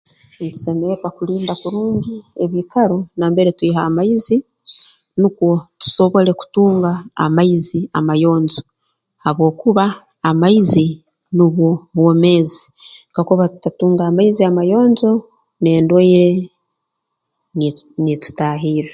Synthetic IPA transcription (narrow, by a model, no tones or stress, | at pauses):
tu̥se̞meepakuliːnbakuɾuːɲɟieβikaɾo̞naːmbeɾetwiːɦaːmaizi | nukwo̞tu̥so̞βo̞le̞ku̥tuːŋɡa̰ːmaizia̰majo̞ːɲzo̞ | haβwo̞ːkuβaː | maizi | niβwo̞wome̞ːzi̥ | kakuβatutatuːŋɡaːmaiziamajo̞ːɲzo̞ | ne̞ːndwaiɾe̞ | nitu̥taːɦiːɾe